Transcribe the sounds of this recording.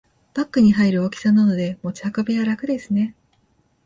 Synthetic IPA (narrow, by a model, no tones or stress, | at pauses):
b̥akːɯ̟ɲ̟iɦaiɾɯ̟okʲi̥sanano̞d̪e̞mo̞t͡ɕi̥hakabejaɾakɯ̟d̪e̞sɨne̞